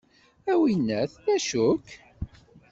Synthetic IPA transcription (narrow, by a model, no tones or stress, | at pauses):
æwinːæθlæʃʊkː